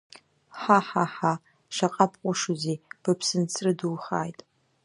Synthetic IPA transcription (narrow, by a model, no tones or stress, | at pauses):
ħaħaħa | ʂaqʼapʰʼqʷʼʊʂuzib̥apʰsɨnt͡sʰrɨdulχa̰ːjtʼ